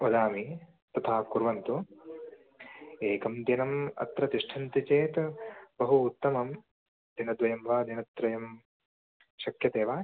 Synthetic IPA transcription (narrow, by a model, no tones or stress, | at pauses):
od̪aːmi | t̪ɐt̪ʰaːkuɾʋɐnt̪u | eːkɐmd̪jɐnɐmɐ̰t̪ɾɐt̪iʂʈʰɐnt̪it͡ʃeːt̪bɐɦuːt̪ːɐmɐm | d̪inɐd̪ʋɐjɐmʋaːd̪inɐt̪ɾɐjɐm | ʃɐkʰjɐt̪eːʋaː